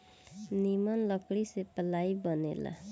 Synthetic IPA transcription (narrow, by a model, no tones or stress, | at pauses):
nimʌnlʌkɽisepəlajbʌnḛla̰